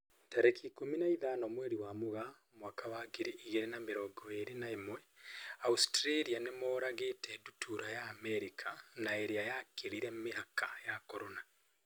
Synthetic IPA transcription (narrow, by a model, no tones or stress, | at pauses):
tɛɾekiːkominaiðanɔmwɛɾiwamoɣa | mwaːkawaɡeɾiʔiɣeɾenameɾɔɡɔeɾenaemwɛaustɾeɾianemɔːɾaɣetɛdutʰuɾajaːmɛɾikʰanaeɾeajakeɾiɾɛmeɦakʰajakɔɾona